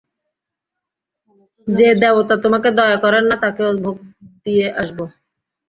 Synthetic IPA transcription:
d͡ʑed̪ɛbot̪at̪omaked̪ɔeakɔɾenːat̪akeobʱoɡ̚d̪ijeʔaʃbo

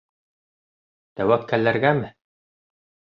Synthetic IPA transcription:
t̪æwæp̚kælːæɾɡæmɘ

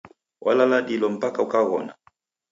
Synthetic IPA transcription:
wʔa̰lalaɗilɔm̩pakaukaɣɔ̰na

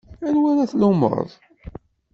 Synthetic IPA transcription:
ænwæɾæθlumə̰ɾ̰ˤðˤ

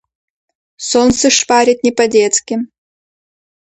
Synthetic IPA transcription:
sonsɨʂpaɾʲɪt̪̚ʲnʲɪpɐd̪ʲet̪skʲɪm

